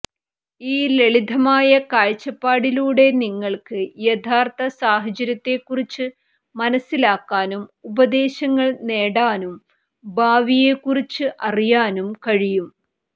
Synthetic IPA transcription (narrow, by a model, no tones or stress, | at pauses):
iːleɭid̪ʱɐmaːjɐkaːɻt͡ɕːɐpːaːɽiluːɽe̞niŋːɐɭkɨjet̪ʰaːrt̪ɐsaːɦɐt͡ɕɐɾjɐt̪ːe̞kːurit͡ɕːɨ | mɐnɐsːilaːkːaːnumubɐd̪e̞ːɕɐŋːɐɭne̞ːɽaːnum | bʱaːʋije̞kːurit͡ɕːɨʔɐrijaːnumkɐɻijum